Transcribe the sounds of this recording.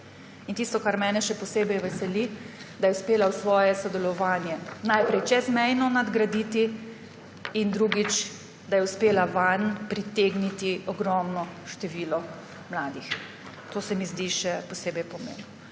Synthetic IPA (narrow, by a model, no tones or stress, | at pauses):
int̪ist̪ɔkaɾmɛːnɛʃɛpɔseːbɛjʋɛsɛlid̪ajɛwspeːlawsʋɔːjɛsɔd̪ɛlɔʋaːnjɛnajpɾɛjt͡ʃɛzmɛjnɔnad̪ɡɾad̪it̪i | nd̪ɾuɡit͡ʃ | d̪ajɛʊspeːlaʋanpɾit̪eɡnit̪iɔɡɾɔmnɔʃt̪ɛʋiːlɔ | mlaːd̪ix | t̪oːsɛmizd̪iʃɛpɔseːbɛjpɔmḛːnɔ